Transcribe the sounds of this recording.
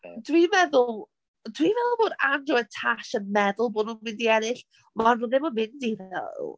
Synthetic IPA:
d̥wivɛðʊlˠ | d̥wivɛðʊlˠboːdandrɔɛtʰaʃənmɛðʊlˠboːdnumɪndiɛnɪɬ | manðɪmɔnmɪndivɛ̰lˠ

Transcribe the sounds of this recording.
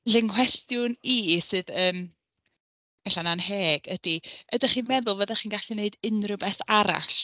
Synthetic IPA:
ɬɪŋkʰw̥ɛstjʊnisɨːðəːm | ɛɬananheːɡ̥əd̥iədaχiːnmɛðʊlˠvəðɛχiːnɡaɬineɨdɪnrɨbɛθaɾa̰ɬ

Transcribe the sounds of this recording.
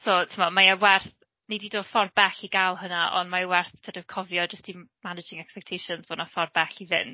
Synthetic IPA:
soːtʰəmɔmaawɛrθ | nedido̥ːfɔrbɛɬiɡalˠhənaʔɔ̰nmaəwɛrθtʰədəv̥kʰɔvjɔd͡ʒəstimanɪd͡ʒɪŋɛkspɛk̚tʰejʃɔnzb̥onɔfɔrbɛɬiðɪ̰n

